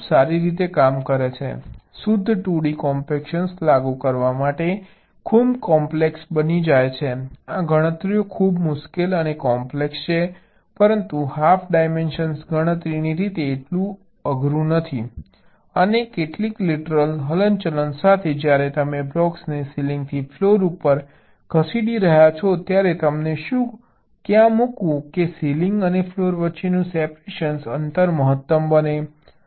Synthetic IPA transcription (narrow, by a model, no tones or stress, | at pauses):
saɾiɾit̪ekamkəɾet͡ʃʰḛsʊd̪ʱːʈuɽikɔmpekʃənslaɡukəɾʋamaʈe | kʰubkɔmpleksbənid͡ʒajt͡ʃʰeãɡʱəɽ̃ət̪ɾijokʰubmʊʃkelənekɔmplekst͡ʃʰe | pəɾənt̪uhafʰɖajmenʃənsɡʱəɽ̃ət̪ɾiniɾit̪eːʈlũ | əɡʱɾũnət̪ʰi | ənekeʈlikliʈəɾəlɦələnt͡ʃələnsat̪ʰed͡ʒjaɾet̪əmeblɔksnesilĩŋɡ̚t̪ʰifʰloɾupːəɾ | kʰəsiɽiɾəɦjat͡ʃʰɔt̪jaɾet̪əmneʃũ | kjãmukũkesiliŋɡənefʰloɾʋətːʃenũsɛpɾeʃənsənt̪əɾməɦət̪ːəmbəne